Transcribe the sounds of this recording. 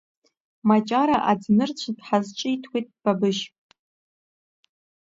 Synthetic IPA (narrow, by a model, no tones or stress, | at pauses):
mat͡ʃʼaɾaʔad͡znɨrt͡ɕʷʰdħazt͡ʃʼɪitʰwʷit̚ʼb̥abɨʃʼ